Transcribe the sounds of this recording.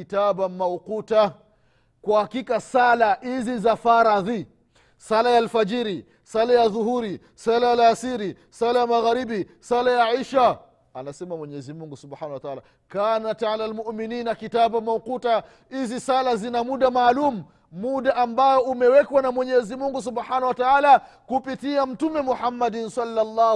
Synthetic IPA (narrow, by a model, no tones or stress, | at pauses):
itaɓamauquta | kwahakikasalahizizafaɾaði | salajalfad͡ʒiɾi | salajaðuhuɾi | salajalasiɾi | salajamaɣaɾiɓi | salajaʕiʃa | anasɛmamwɛɲɛzimuŋɡusubħanahwataʕala | kanataalalmuʔmininakitaɓujamauquta | hizisalazinamuɗamaːlumuː | uɗaʔambajɔumɛwɛkwanamwɛɲɛzimuŋɡus̬ubħanahwataala | kupitiam̩tumɛmuħamːadnsalːalːa